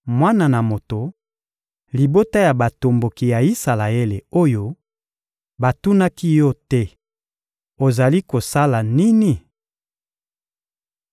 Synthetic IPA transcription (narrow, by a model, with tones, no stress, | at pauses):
mwa˦na˨na˨mo˨to˨ | li˨bo˦ta˦ja˨ba˨to˨mbo˨ki˨ja˨i˦sa˨la˨e˦le˨o˦jo˦ | ba˨tu˦na˦ki˦jɔ˦tɛ˦ | o˨za˨li˦ko˨sa˦la˨ni˦ni˦